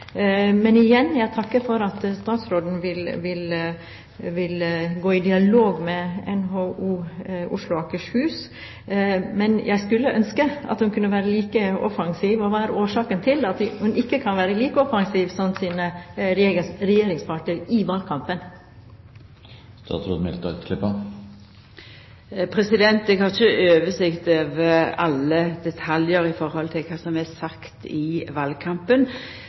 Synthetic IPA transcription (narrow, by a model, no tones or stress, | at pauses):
mɛnɪjɛnːjæɪt̪ʰɑkːəfɔɾɑt̪st̪ɑːt̪sɾoːd̪n̩ʋɪlʋɪl | ʋɪlɡoːɪd̪ɪɑloːɡmɛɛnɦoːʔuːʊ̰ʂlʊɑkəʂhʉːs | mɛnjʔæ̰ɪskʉlːəʔœnskəɑ̰t̪hʉnkʰʉnːəʋæːɾəliːkəɔfɑŋsiːʋɔʋɑːæɾoːʂɑːkənt̪ʰɪlɑt̪hʉnɪkːəkʰɑnʋæːɾəliːkəɔfɑŋsiːʋsɔnsiːnəɾɛesɾɛjeːɾɪŋspʰɑʈəɾɪʋɑːlkʰɑmpən | st̪ɑ̰ːt̪sɾod̪mɪ̰lt̪ɔkʰlɪpːə | pʰɾɛsɪd̪ɛnt̪̚d̪ɛɡhɑt͡ʃəʔøːʋəsɪkt̪ɑʋɑlːəd̪ɛt̪ʰɑljəɾɪfɔɾhɔlt̪ʰɪlkʰɑːsɔmɛsɑkt̪ɪʋɑːlkʰɑmpən